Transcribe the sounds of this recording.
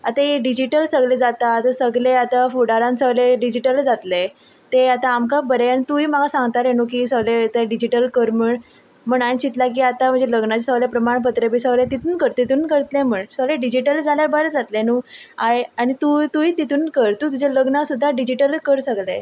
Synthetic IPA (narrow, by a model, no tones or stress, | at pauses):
at̪ajeɖid͡ʑiʈəlsəɡled͡zat̪aːt̪asəɡleat̪afuɽaɾãnsəɡleɖid͡ʑiʈəld͡zat̪le | t̪eat̪aːmkabəɾeanit̪ujmaɡasãŋɡt̪aɾenuk̬isəɡlet̪eɖid͡ʑiʈəlkəɾməɳ | m̤əɳat͡ɕit̪lak̬iːat̪am̤ə̃ɳd͡zeləɡnat͡ɕesəɡlepɾəmaɳpət̪ɾebʱiːsəɡlet̪it̪uːnkəɾt̪it̪uːnkəɾt̪lẽməɳsəɡleɖid͡ʑiʈəld͡zʱaljabəɾəd͡zat̪lenuːaeañit̪ut̪uit̪it̪uːnkəɾt̪uːt̪ud͡ʑaləɡnasud̪ʱːaɖid͡ʑiʈəlkəɾsəɡle